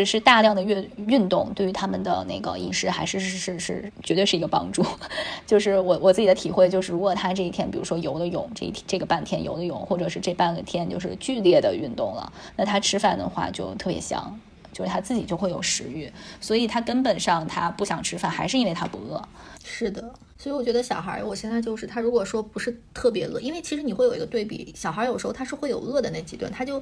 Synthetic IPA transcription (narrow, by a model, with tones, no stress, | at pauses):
ʈ͡ʂ̩˥˩ʂɻ̩˥˧t̪a˥˧ljɑ˥˩ŋd̪ə˩ɥɛ˥˧y˥˧nt̪ʊ˥˩ŋt̪we˥˩ɪy˧˥t̪ʰa˥mə˨nd̪ə̰˩ne˥˩ɪɡə̰˩ḭ˧˥˩ʂɻ̩˥xa˧˥ɪʂɻ̩˥˧ʂɻ̩˥˧ʂɻ̩˥˩t͡ɕɛ˧˥t̪we˥˧ʂɻ̩˥˩i˧˥ɡə˧pɑ̰˥ŋʈ͡ʂu˥˩t͡ɕjo˥˧ʊʂɻ̩˥˩wɔ˨˩wɔ˨˩t͡sɹ̩˥˩t͡ɕi˨˩d̪ə˦t̪ʰi˨˩xwe˥˧ɪt͡ɕjʂɻ̩˥˩ɻu˧˥kwɔ˨˩t̪ʰa˥ʈ͡ʂɤ˥˧i˥˩t̪ʰjɛ˥npi˨˩ɻu˧˥ʂwɔ˥jo˧˥ʊd̪ə˧jʊ̰˨˩˦ŋʈ͡ʂɤ̰˥˩ḭ˥˩tʰɛ˥ʈ͡ʂɤ˥˩ɡə˩pa˥˩nt̪ʰjɛ˥njo̰˧˥ʊd̪ə˧jʊ˨˩˦ŋxwɔ˥˩ʈ͡ʂɤ˨˩ʂɻ̩˥˧ʈ͡ʂɤ˥˧pa˥˩nɡə˩t̪ʰjɛ˥nt͡ɕjo˥˧ʊʂɻ̩˥˧t͡ɕy˥˧ljɛ˥˩d̪ə˩y˥˧nt̪ʊ˥˩ŋlə̰˩na˥˩t̪ʰa˥ʈ͡ʂʰɻ̩˥fa˥˩nd̪ə̰˩xwa̰˥˩t͡ɕjo˥˧ʊt̪ʰɤ˥˩pjɛ̰˧˥ɕjɑ̰˧˥ŋ | t͡ɕjo˥˧ʊʂɻ̩˥˩t̪ʰa˥t͡sɹ̩˥˩t͡ɕi˨˩t͡ɕjo˥˧ʊxwe˥˩ɪjo˨˩ʊʂɻ̩˧˥y˥˩swɔ˧˥i˨˩t̪ʰa˥kə˥npə˨˩nʂɑ˥˩ŋt̪ʰa˥pu˥˩ɕjɑ˨˩ŋʈ͡ʂʰɻ̩˥fa˥˩nxa˧˥ɪʂɻ̩˥˩i˥we˥˩ɪt̪ʰa˥pṵ˧˥ɤ˥˩ʂɻ̩˥˩d̪ə˩ | swɔ˧˥i˧wɔ˨˩t͡ɕɥɛ˧˥d̪ə˧ɕjɑ˨˩ʊxə̰˧˥wɔ˨˩ɕjɛ˥˧nt͡sa˥˧ɪt͡ɕjo˥˧ʊʂɻ̩˥˩t̪ʰa˥ɻu˧˥kwɔ˨˩ʂwɔ˥pu˧˥ʂɻ̩˥˧t̪ʰɤ˥˩pjɛ˧˥lɤ˥˩˨i˥nwe˥˩t͡ɕʰi˧˥ʂɻ̩˧˥ni˨˩xwe˥˩jo˨˩i˧˥ɡə˧t̪we˥˩ɪpḭ˨˩˦ɕjɑ˨˩ʊxə˧˥jo˨˩ʂ̩˧˥˧tʰa˥ʂɻ̩˥˧xwe˥˩ɪjo̰˨˩ʊɤ˥˩d̪ə˩na˥˩t͡ɕi˧˥t̪wa̰˥˩nt̪ʰa˥t͡ɕjo˥˩ʊ